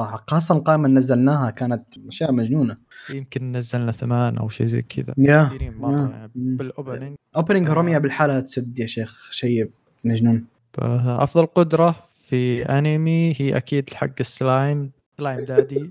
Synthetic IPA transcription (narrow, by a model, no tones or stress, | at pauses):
sˤɑħɑːs̬ˤt̪ˤɑnlqɑːʔɪmanːazːalnaːhakaːnat̪aʃjaːʔmad͡ʒnuːna | jɪmkɪnːazːalnaθamaːnʔa̰wʃḭːzḛːkʰɪ̰d̪a̰janiːmɑaˤjanimːbɪlʔoːpnɪŋɡʔoːpnɪŋɡɾˤʊmjabɪlħaːlahat̪sad̪ːjaʃeːxʃajː | mad͡ʒnuːn | b̥a̰ʔɑ̰fðˤɑlqʊd̪ɾˤɑ | fiʔanemihiːʔa̰kiːd̪lħaɡːɪsːlaːjm | slaːjmd̪aːd̪i